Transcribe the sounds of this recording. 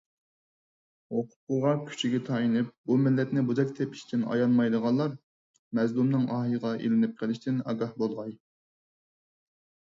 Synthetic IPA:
oqʰʊ̥qʊʁɑkʲʰy̥t͡ʃʰiɡʲɛt̪ʰɑinɪp̚bumɪlːɛt̪nɪbuzɛk̚ʲt̪ʰɛpi̥ʃt̪ʰɪnɑ̰jɑnmɑjd̪əʁɑnlˠɑɾ | mɛzlumnɨŋɑɦɨʁɑʔḭlɪnɪp̚qʰəlˠɪʃt̪ɪnɑ̰ɡɑhbolˠʁɑj

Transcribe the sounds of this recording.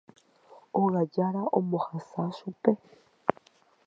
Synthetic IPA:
oɣaɟaɾaʔomuxasasupe

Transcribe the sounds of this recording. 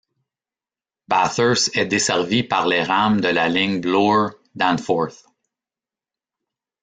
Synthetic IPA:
bæθə˞sɛd̪esɛʁvipaʁleːʁamd̪əlalɪŋblɔ | d̪ãnfɔɹθ

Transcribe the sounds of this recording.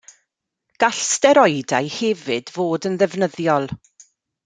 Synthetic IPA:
ɡ̥aɬstɛɾɔjdajhɛvɪdvoːdənðɛvnəðjɔlˠ

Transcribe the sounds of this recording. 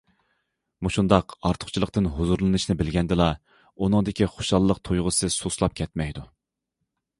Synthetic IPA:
muʃund̪ɑqɑɾt̪ʰʊ̥χt͡ʃʰilˠəqt̪ɨnɦuzuɾlˠɨnɨʃnɪbɪlɡʲɛnd̪ɨlˠɑ | unɨŋd̪ɪkʲiχoʃɑlˠːəqt̪ʰojʁəsɨsoslˠɑp̚kʲʰɛt̪mɛjd̪u

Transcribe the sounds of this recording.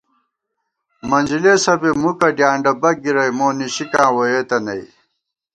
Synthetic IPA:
mɐnd͡ʑileːsɐbemukɐɖjaːɳɖɐbɐɡiɾɐjmoːniɕikãːwojeːt̪ɐnɐ̰i

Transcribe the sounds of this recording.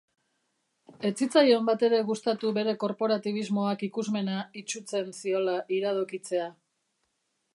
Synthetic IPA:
e̞t͡sit͡sajombat̪e̞ɾe̞ɣust̪at̪uβe̞ɾe̞ko̞ɾpo̞ɾat̪iβ̞izmo̞akikuzme̞nait͡ʃut͡se̞nsio̞laʔiɾaðokit͡se̞a

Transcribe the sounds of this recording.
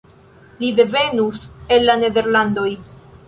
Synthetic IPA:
lide̞ve̞nuse̞lːane̞de̞ɾlando̞j

